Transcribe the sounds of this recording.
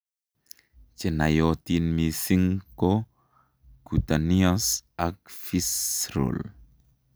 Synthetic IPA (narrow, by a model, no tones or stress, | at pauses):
t͡ʃenajot̪inmisiŋko | ɡ̥ut̪aniasak̚fisɾo̰l